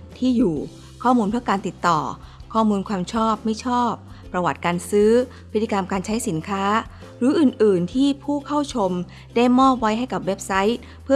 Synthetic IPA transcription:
t̪ʰiː˥˩juː˨˩ | kʰɔː˥˩muː˧npʰɯ˦˥˩əkaː˧nt̪i˨˩t̪ːɔ̰ː˨˩kʰɔː˥˩muː˧nkʰwaː˧mt͡ɕʰɔː˥˩p̚ma˥˩jt͡ɕʰɔː˥˩p̚ːɾa˧wa˨˩t̪̚kaː˧nsɯː˦˥ | pʰi˦˥t̪ːi˧ka˧mkaː˧nt͡ɕʰa˦˥jsi˩˦nkʰaː˦˥ | ɾɯː˩˦ʔɯː˨˩nʔɯː˨˩nt̪ʰiː˥˩pʰuː˥˩kʰa˥˩wt͡ɕʰo˧m | da˥˩jmɔː˥˩p̚wa˦˥jɦa˥˩jka˨˩p̚we˦˥p̚sa˦˥j̚ | pʰɯ˥˩

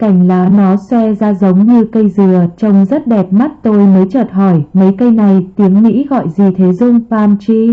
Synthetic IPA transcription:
ka˧˩jŋ̟laː˨˦nɔ˨˦swɛ˧zaː˧zə˨˦wŋ͡mɲɨ˧kə˧jzɨ˨˩ət͡ɕə˧wŋ͡mzə˦˥t̚ɗɛ˨˩p̚ma˦˥t̚t̪o˧jməː˨˦jt͡ɕəː˨˩t̚ɦɔ˧˩jmə˨˦jkə˧jna˨˩jt̪i˨˦əŋmḭ˧˥ɣɔ̰˧˨jzi˨˩t̪ʰe˨˦zʊ˧ŋ͡mfaː˧mt͡ɕi˧

